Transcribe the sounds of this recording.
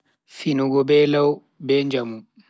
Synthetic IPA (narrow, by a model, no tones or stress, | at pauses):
finuɡɔbɛːlaw | bɛːɲd͡ʒamu